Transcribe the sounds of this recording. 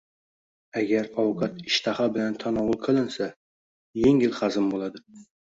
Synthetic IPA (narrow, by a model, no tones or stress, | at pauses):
aɡʲaɾɒwʊqʰɑt̪ɪʃt̪ʰahabɪlant̪ʰanɒwʊlˠqʰɨlˠɪnsa | jeŋɪlχɑzɪmbolˠad̪ɪ